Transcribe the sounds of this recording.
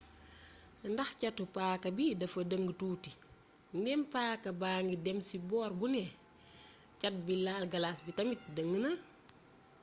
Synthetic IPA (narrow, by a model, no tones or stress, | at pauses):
ndɐxcɐtupaːkɐbidɐfɐdəŋɡətuːti | nɡɛmpaːkɐbaːŋɡidɛmsibɔːrbunɛ | cɐt̚bilaːlɡɐlasbitɐmit̚dəŋɡənɐ